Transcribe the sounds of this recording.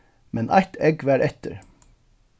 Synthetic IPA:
mʔɛnʔɑ̰ɪt̪ʰɛɡʋæːɾʔɛt̪əɾ

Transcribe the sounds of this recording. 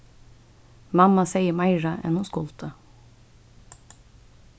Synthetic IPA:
mɑmɑseɪəmɑɪɹɑʔɛ̰nhʊskʊlt̪ʰə

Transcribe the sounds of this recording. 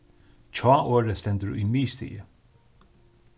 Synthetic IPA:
t͡ʃʰɑːʔoːɾəst̪ɛnd̪əɾṵimiːst̪ḭːə

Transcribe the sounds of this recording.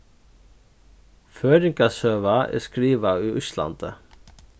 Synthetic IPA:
føːɾɪŋkɑsøːʋɑʔḛːskɾiːʋɑyːʔʏʃlɑ̰nd̪ə̰

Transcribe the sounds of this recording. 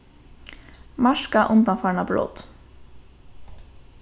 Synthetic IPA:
mɑʃkɑʔʊnd̪ɑfɑːɳɑblo̰ːt̪

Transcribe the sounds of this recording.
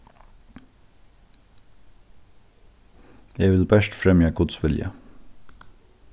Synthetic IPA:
jeːʋɪlbæʃtfɾɛmjɑɡʊt̪sʋɪljə̰

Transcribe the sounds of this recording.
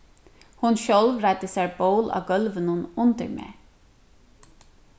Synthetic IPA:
hʊnʃøːlʋɾæɪt̪əseːboːlʔɑ̰ːɡœlʋənʊnʊnd̪ə̰ɹmḛː

